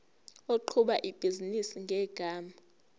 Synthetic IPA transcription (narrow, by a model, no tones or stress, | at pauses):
oǃʰuɓaʔib̥ʱizinisiŋɡʱɛɡ̥ʱaːma